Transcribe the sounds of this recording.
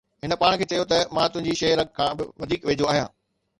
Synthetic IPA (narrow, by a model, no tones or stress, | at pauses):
ɦɪnə̆paːɽ̃kʰeːt͡ɕɐjot̪ɐmãːt̪ʊ̃ɦɪ̃ɲd͡ʑiʃɐːɾɐɡ̚kʰãːbɪʋɐd̪ʱiːkʋeːd͡ʑoaːɦijã̰ː